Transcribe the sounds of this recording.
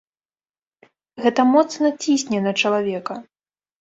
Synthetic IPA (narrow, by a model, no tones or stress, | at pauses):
ɣɛt̪ɐmɔt̪snɐt͡sʲisʲnʲɛnɐt͡ʂɐlˠavʲɛkɐ